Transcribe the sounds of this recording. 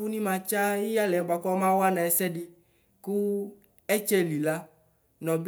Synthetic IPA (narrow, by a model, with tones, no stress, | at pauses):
u˦nĩ˦mã˧t͡ʃa˦ji˦ja˦lɛ˨ba˨kɔ˦mã˦wa˦nã˨ɛ˨sɛ˦di˦ | ku˦ | ɛ˦t͡ʃe˦li˨la˦ | nɔ̃˨b